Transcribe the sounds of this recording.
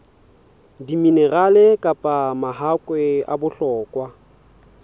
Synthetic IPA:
dimineralekʼapʼamaɦakʼwɛa̰bʊɬɔːkʼwa

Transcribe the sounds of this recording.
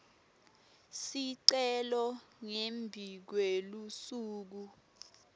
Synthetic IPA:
siǀɛlɔŋembʱik̬welusuːk̬u

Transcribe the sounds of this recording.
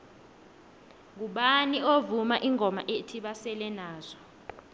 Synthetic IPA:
ŋuɓaniovumaʔiŋʱɔma̰ʔetʰiɓasɛlɛnaːz̥ɔ

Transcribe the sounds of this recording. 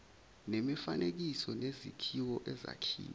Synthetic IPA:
nemifanʔek̬isɔnezikʰiwɔʔɛza̰kʰḭːni

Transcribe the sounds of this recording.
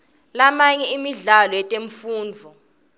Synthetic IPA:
lamaɲɛimiɮalɔjɛtʼeɱfuːnd͡vʱɔ

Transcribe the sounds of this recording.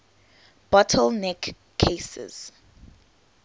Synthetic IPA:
b̥ɔtʰəlˠnɛkʰː | esɛ̰z̥

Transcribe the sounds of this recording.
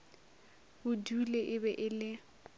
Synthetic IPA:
bʊduleʔɪbɛʔɪlɪ

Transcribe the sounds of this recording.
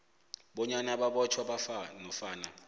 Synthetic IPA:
ɓɔɲanaɓaɓɔt͡ʃʰwaɓafanɔfaːna

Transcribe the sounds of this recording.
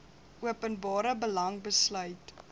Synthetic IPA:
ʔuəpənbɑːɾəbəlɐŋbəslœɥt

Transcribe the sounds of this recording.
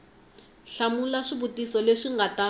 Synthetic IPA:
ɬamulaʂibutisɔleʂiŋɡata

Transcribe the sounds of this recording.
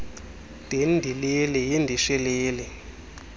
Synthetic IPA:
d̥ʱendʱilelɛjindʱiʃɛleːlɛ

